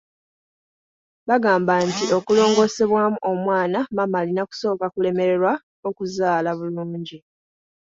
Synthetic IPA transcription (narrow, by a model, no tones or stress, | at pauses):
βaɡaːmbantio̞kulo̞ːŋɡo̞se̞βwamuʔo̞mwaːnamamalinaku̥so̞ːkakule̞me̞ɾe̞ɾwa | o̞kuzaːlaβuluːɲɟi